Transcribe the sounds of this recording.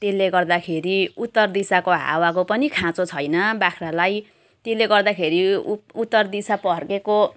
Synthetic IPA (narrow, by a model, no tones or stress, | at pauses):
t̪elːeɡʌrd̪akʰeɾiut̪ːʌrd̪isakoɦa̰wakopʌnikʰãt͡sot͡sʰʌjnʌbakʰralaj | t̪elːeɡʌrd̪akʰeɾiut̪ːʌrd̪isapʌɦʌrkeko